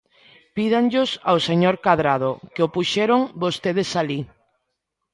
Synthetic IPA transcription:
piðaŋʎʊsaoseɲoɾkaðɾað̞okeopuʃɛɾoŋbost̪eð̞esali

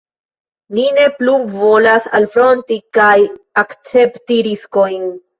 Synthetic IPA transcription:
nine̞pluvo̞lasalfɾo̞ntikajakt͡se̞ptiɾisko̞jn

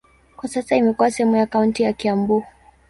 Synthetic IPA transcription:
kwasasaimɛkuwasɛhɛmujakauntijakiambu

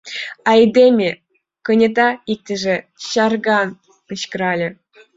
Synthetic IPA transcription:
ɑjd̪ʲemʲe | kɤ̆nʲĕt̪ɑik̚t̪ʲɘ̆ʒĕ | ɕɑrɡɑn | ɯɕkɤɾɑlʲĕ

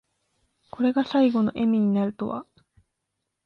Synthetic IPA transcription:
kʰo̞ɾe̞ɡasaiɡo̞no̞̰ʔe̞mʲiɲ̟inaɾɯ̟t̪o̞̰βa̰

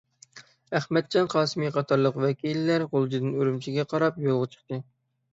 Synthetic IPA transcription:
æχmɛt̪̚d͡ʒɑnqʰɑːsɨmiqɑt̪ʰɑɾlˠəqwɛkʲilɪlːæɾʁolˠd͡ʒid̪ɨnøɾymt͡ʃʰiɡʲɛqʰɑɾɑpjolˠʁɑt͡ʃʰə̥χt̪ɨ

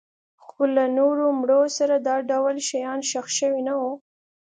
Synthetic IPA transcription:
xolanoɾomɽosaɾad̪ɑɖawlʃajɑnʃaxʃəwinawo

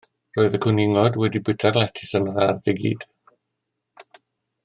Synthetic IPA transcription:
roːɨðəkʰʊnɪŋɔdwɛdibɪtʰarlˠɛtʰɪsənrarðɪɡḭːd̥

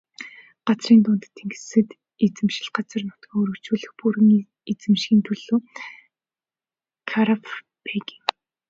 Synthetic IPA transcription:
ɢ̥at͡sriːnt̪ʊːnt̪t̪ʰːeŋɡɘ̆ɮsɘ̆t̪ | et͡sɘ̆mʃɪ̥̆ɮɢat͡sə̆rnʊt̪kʲiːŋɵɾɵ̆kt͡ɕuːɮɘ̆xpuɾɘ̆ŋ | et͡sɘ̆mʃxʲiːnt̪ʰɵɮuː | kʰaɾap | pʰekiŋ

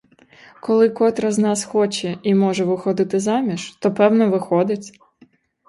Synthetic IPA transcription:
kɔlˠɪkɔt̪ɾɐznɑsxɔt͡ʃɛimɔʒɛʋɪxɔd̪ɪt̪ɪzɑmʲiʃt̪ɔpɛwnɔʋɪxɔd̪ɪt͡sʲ

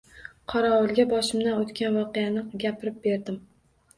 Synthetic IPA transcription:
qʰɒɾɒɒlˠɡʲabɒʃɪmd̪anot̪kʲanvɒqɨjanɪɡʲapʰɪɾɪp̚be̞ɾd̪ɪm

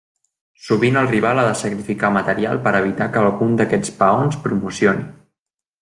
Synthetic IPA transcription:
suβinəlˠriβalˠaðəsəkɾifikamət̪əɾia̰lˠpəɾəβ̞it̪akəːlˠɣund̪əkɛt͡spəonspɾumusioni

